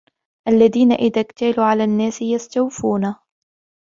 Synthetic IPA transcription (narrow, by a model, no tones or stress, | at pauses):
ʔalːaðiːnaʔɪðaːɡt̪aːluːʕalaːnːaːsɪjast̪awfuːna